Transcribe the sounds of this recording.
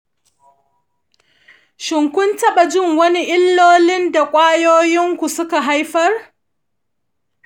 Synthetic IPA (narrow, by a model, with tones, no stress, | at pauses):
ʃɪ˨ŋkʷʊ˦ntɐ˦ɓa˨d͡ʒɪ˦˨ŋwɐ˦ni˦ʔɪ˦lːoː˦lɪ˦nda˨kʷʼaː˦joː˦jɪ˦ŋkʷu˨sʊ˦ka˨ɦa˦jɸɐ˦r